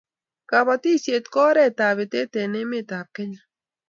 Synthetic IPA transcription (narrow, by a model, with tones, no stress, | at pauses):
ka˨βa˧t̪i˦sje˨t̪kɔ˦ɾɛ˦˨t̪a˨βe˨t̪e˦t̪e˨ne˦me˦˨t̪a˨p̚ke˦ɲa˨